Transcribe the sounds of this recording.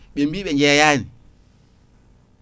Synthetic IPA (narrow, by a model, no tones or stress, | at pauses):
ɓɛmbiːɓɛɲd͡ʒɛjaːni